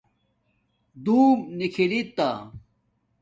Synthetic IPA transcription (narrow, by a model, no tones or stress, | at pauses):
d̪uːmnikʰilit̪ːa